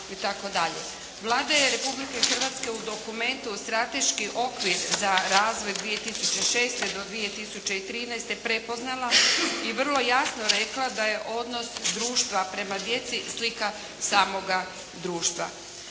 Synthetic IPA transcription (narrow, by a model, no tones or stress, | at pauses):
it̪ako̞d̪aʎḛ | ʋlˠaːd̪aje̞ɾe̞publike̞xr̩ʋat̪ske̞ud̪o̞kume̞nt̪ust̪ɾat̪e̞ʃkiʔo̞kʋiɾzaɾaːzʋo̞jd̪ʋije̞t̪isut͡ɕe̞ʃe̞ːst̪e̞d̪o̞d̪ʋije̞t̪isut͡ɕe̞it̪ɾiːnɛjst̪e̞pɾe̞po̞znalˠaiʋr̩lˠo̞jasno̞ɾe̞klˠad̪aje̞ʔo̞d̪no̞sd̪ɾuːʃt̪ʋapɾe̞mad̪je̞t̪sislika | saːmo̞ɡa | d̪ɾuːʃt̪ʋa̰